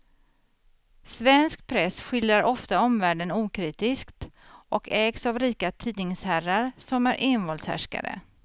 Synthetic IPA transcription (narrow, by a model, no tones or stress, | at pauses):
svɛnsk̚pʰɾɛsɧɪljɾaɾɔft̪aɔmvæːɖənuːkʰɾiːt̪ɪskt̪ʔɔkʰɛːɡsavɾiːkat̪ʰiːd̪nɪŋshæɾaɾsɔmæɾʔenvɔːlshæ̰ʂka̰d̪ə̰